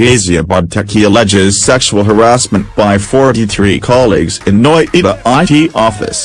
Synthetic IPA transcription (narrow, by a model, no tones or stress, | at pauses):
eɪziɨbɑb̚tʰɛkʰiəlɛd͡ʒɪz̥sɛkʃul̩ˠɦə˞æsmɨ̃nb̥aɪfɔɹɾiθɹikʰɑlˠḭɡzɨ̃nːɔɪʔɪðiʔaɪtʰiʔɔfɨ̰s